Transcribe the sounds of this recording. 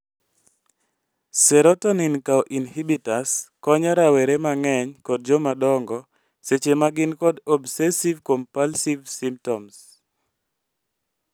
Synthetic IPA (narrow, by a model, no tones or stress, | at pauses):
sɛɾɔtɔninkaɔʔinhibitaskɔɲaɾawɛɾemaŋɛɲkɔd̚d͡ʒɔmadɔŋɡɔ | set͡ʃemaɡɪnkɔdɔbsɛsivkompalsivsimp̚tɔms